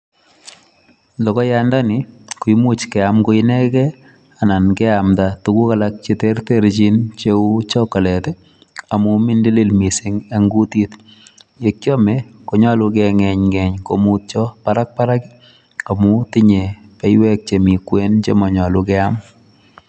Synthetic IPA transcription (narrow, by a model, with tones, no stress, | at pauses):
lɔ˨kɔ˦janda˦nɪ˨ku˨imu˦t͡ʃkɛ˨amko˦ɪnɛ˦kɛ˦ | ana˨nkɛ˦amdatuku˦kalak̚t͡ʃe˦te˦rteɾt͡ʃi˦nt͡ʃeu˦t͡ʃɔkɔ˨lɛ˨tɛ˦ | a˨mu˦mi˦ndi˦li˦lmi˨si˦ŋa˦ŋɡu˦ti˦t | je˨kjɔ˦mɛko˨ɲɔ˦lukɛŋɛ˨ɲŋɛ˨ɲkomu˦t̚t͡ʃɔpaɾa˦k̚pa˦ɾa˦ki | a˨mu˦ti˦ɲe˨pɛ˦jwɛk̚t͡ʃe˨mi˨kwe˦nt͡ʃemɔ˨ɲɔ˨lukɛam